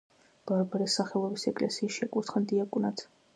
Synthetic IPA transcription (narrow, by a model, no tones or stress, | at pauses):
b̥aɾbaɾɛsaχɛlˠɔbisɛkʼlɛsiːsʃiakʼuɾt̪ʰχɛnd̪iakʼunat̪ʰ